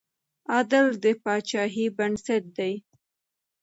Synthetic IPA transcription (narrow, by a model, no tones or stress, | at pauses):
ɑd̪ɪɾd̪əpɑt͡ʃɑɦibansaʈ̚d̪aj